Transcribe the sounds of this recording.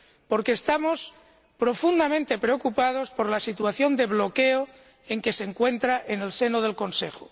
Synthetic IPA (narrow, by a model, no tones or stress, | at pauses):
po̞ɾkeːst̪amo̞s | pɾo̞fund̪amẽnt̪e̞pɾeo̞kupað̞o̞spo̞ɾlasit̪waθjo̞nd̪e̞βlo̞keo | e̞ŋke̞seŋkwe̞nt̪ɾaʔene̞lse̞noðe̞lko̞nsḛxo